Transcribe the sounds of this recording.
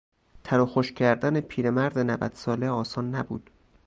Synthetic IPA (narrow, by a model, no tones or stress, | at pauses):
t̪ʰæɾɒxoʃcʰæɾd̪ænepʰiːɾemæɾd̪enævæ̰d̪̥sɒːleɒːsɒːnːæbṵːd̪̥